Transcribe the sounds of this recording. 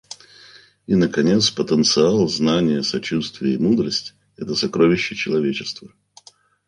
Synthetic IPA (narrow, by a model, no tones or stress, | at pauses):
inəkɐnʲe̞t̪spət̪ənt̪sɨalˠznanʲɪjəsɐt͡ɕust̪vʲɪjəimud̪ɾəsʲtʲ | ɛt̪əsɐkɾovʲɪɕːɪt͡ɕɪlˠɐvʲet͡ɕɪst̪və